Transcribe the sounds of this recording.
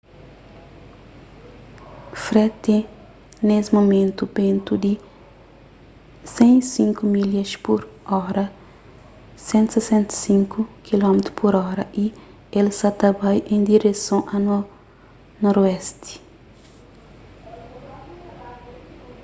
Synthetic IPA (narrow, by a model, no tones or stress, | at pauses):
fɾɛt̪ẽ | nesmomẽnt̪ubẽnt̪ud̪ɪ | sẽj̃sĩŋkumilɐʃpuɾɔɾɐ | sẽnt̪u̥sesẽnt̪ɐ̥sĩŋkukilɔmet̪ɾupuɾɔɾɐʔi | elsat̪ɐbajʔẽj̃d̪iɾesɐ̃w̃ʔɐnwal | nɔɾuɛst̪ɪ̥